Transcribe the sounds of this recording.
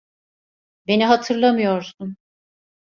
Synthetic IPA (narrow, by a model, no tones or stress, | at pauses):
be̞niɦat̪ʰɯɾlˠamɯjo̞ɾsun